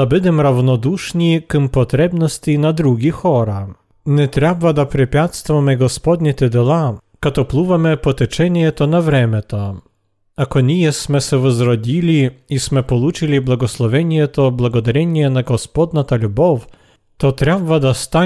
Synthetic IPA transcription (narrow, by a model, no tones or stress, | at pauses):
abɘd̪ɛmɾavnɔd̪uʂɲʲikɨmpɔt̪ɾɛbnɔsʲtʲinad̪ɾuɡʲixɔɾa | nʲɛt̪ɾʲabvad̪apɾɛpʲjat̪st̪vamɛɡɔspɔd̪nʲɛt̪ɛd̪ɛlˠa | kat̪ɔplˠuvamɛpɔt̪ɛt͡ʂɛnʲɛɛt̪ɔnavɾɛmʲɛt̪ɔ | akɔnʲijɛsmɛsɛvɔzɾɔd͡ʑʲilʲiismɛpɔlut͡ʂɨlʲiblˠaɡɔslˠɔvʲjɛnʲijɛt̪ɔblaɡɔd̪aɾʲɛnʲɛnaɡɔspɔd̪nat̪alʲubɔf | t̪ɔt̪ɾʲabvad̪ast̪a